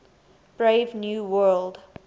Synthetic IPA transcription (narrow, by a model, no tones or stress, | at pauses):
b̥ɹeɪvnjuːwɜld